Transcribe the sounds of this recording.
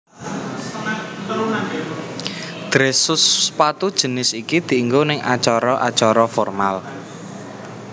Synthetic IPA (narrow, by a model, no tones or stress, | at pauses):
d̪̥ɾesʊspat̪ud̥ʒ̥ə̤nɪsikid̪̥i̤iŋɡonɪŋʔa̰t͡ʃɔɾɔʔa̰t͡ʃɔɾɔfɔrmal